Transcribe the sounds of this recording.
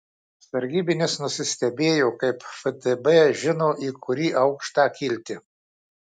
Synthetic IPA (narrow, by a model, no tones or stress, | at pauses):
sɐɾʲɡʲiːbʲɪnʲɪsnʊsʲɪsʲt̪ʲɛbʲeːjoːkɐɪpfɛd̪ɛbɛʒʲɪnoːʔiːkʊɾʲiːʔɐʊkʃt̪ɑːkʲilʲt̪ʲɪ